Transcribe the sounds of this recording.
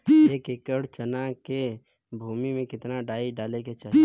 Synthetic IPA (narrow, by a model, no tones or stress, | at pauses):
eːkekəɽt͡ʃənake | bʱuːmimẽkɪt̪naɖaːiɖaːleket͡ʃa